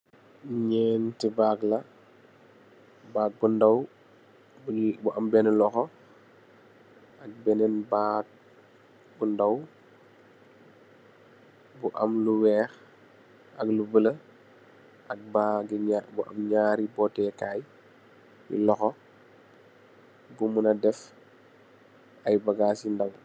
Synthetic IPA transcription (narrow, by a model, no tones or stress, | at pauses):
ɲɛntibaːklɐ | baːk̚bundɐw | bbuʔɐmbɛnɛlɔxɔ | ɐk̚bɛnɛnbak̚ | bundɐw | buʔɐmluwɛːx | ɐklubəlɐ | ɐk̚baɡiabuʔɐ̰mɲaːɾibɔːtɛkaːj | jḭlɔxɔ | bumunɐdɛf | ɐjbɐɡaːsindɐw